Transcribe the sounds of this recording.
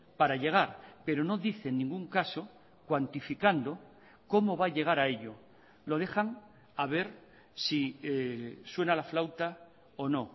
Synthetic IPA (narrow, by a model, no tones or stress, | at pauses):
paɾaʎe̞ɣ̞aɾpe̞ɾo̞no̞ðiθe̞nːĩŋɡuŋkaso̞ | kwant̪ifikand̪o̞ | ko̞mo̞βaʎe̞ɣ̞aɾae̞ʎo̞ | lo̞ð̞e̞xaŋ | aβ̞e̞ɾ | si | swe̞nalaflawt̪a | ono̞